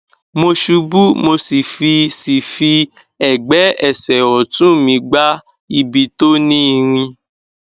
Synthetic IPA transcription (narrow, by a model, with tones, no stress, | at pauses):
mo˧ʃu˧bu˦mo˧si˨fi˧si˨fi˧ | ɛ˨ɡ͡bɛ˨˦ɛ˨sɛ˨wɔ˨tũ˦˨mĩ˧ɡ͡ba˦ | i˧bi˧to˦nĩ˦i˧ɾ̃ĩ˧